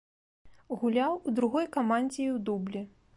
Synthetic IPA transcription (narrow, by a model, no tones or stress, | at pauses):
ɣulʲawud̪ɾuɣɔjkɐmanʲd͡zʲɛwd̪ublʲi